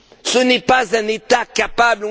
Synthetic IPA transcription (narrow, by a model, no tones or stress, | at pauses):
sonipazanitakapabl